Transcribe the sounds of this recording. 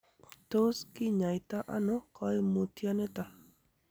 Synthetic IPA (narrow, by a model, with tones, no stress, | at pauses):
t̪o˦skɪ˦ɲa˨jt̪a˦ʔa̰˦nɔ˦kɔ˦mo˨t̪ja˦nɛ˦t̪a˨